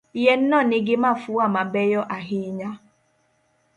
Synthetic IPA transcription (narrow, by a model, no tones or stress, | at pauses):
ijɛn̩nɔnɪɡɪmafuamabɛjɔʔaɦiɲa